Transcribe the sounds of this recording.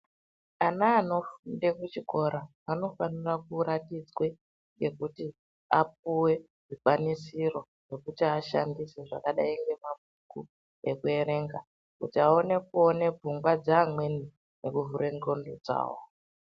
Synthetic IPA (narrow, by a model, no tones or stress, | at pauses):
anaːno̞fundekut͡ʃiko̞ɾa | ano̞fanirakuɾatid͡zwe̞ | ŋɡe̞kuti | a̰p̚uwe̞ | ʐikwanisiro̞ | ʐe̞kutiaʃa̰ndise̞ʐa̰kaɗaiŋɡe̞mab̚ʱuku | e̞kue̞ɾe̞ːŋɡa | kutiao̞ne̞kuo̞ne̞b͡vʱuŋɡwad͡zaːmwe̞ni | nekuvuɾeŋɡo̞ndod͡za̰ːwo̰